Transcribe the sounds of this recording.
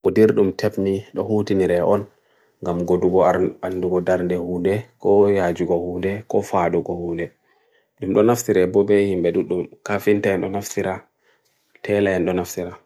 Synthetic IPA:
ʔɔdiɾɗumtʰɛbniɗɔhutiniɾɛʔɔn | ŋɡamɡoduɡɔanduɡɔdaɾndɛhuːndɛkɔjad͡ʒuɡɔhuːndɛkɔfaɗuɡɔhundɛ | ɗumɗɔnaftiɾɛbɔbɛhimbɛɗuɗumkafintaɛnɗɔnaftiɾa | tʰɛlaɛnɗɔnaftiɾa

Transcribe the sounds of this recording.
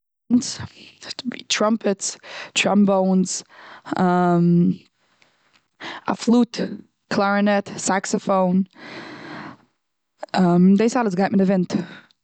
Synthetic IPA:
nz̥ | tʰɹ̥ʌ̃mpɨtstʰɹ̥ʌ̃mbõʊ̃nz̥ʌ̃m | ʔə̰flut | kʰl̥ɛɹɨnɛtsæksəfõʊ̃n | ʔʌ̃mðeɪsɔɾəzɡɑɾmə̃nɨvɛ̃nt

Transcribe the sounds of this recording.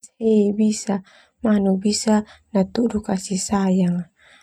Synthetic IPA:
heibisa | manubisanat̪udukasisajaŋ

